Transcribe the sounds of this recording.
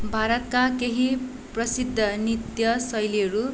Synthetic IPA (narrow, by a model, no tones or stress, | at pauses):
bʱaɾʌt̪̚kakeɦi | prʌsid̪ʱːʌnit̪jʌsʌjliɦʌɾu